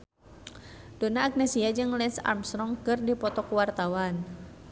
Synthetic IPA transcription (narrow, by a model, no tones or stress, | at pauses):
donaːɡ̚nɛsiad͡ʒɨŋlɛnsa̰rmst̪ɾɔŋkɨrdipɔt̪ɔkuwart̪awan